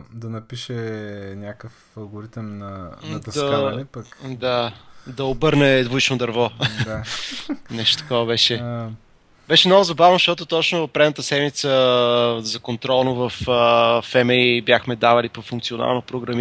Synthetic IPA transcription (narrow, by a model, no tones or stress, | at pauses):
d̪ɐnɐpiʃɛnʲakəf | ɐlˠɡoɾit̪mnɐnt̪ɐd̪ɐklipəkd̪ad̪ɐobɤɾnɛd̪vuit͡ʃnod̪ɐɾvɔ | nɛʃt̪o̥t̪ɐ̥kɔvɐbɛʃɛ | bɛʃɛmnɔɡʊzɐbavnofʃt̪ɔt̪ʊt̪ɔt͡ʃnopɾɛd̪nət̪əsɛd̪mit̪sə | zɐkont̪ɾɔlˠnovɐfəfɛmɛibjaxmɛd̪avɐlipofuŋkt̪siona̰lˠnopɾoɡɾɐmi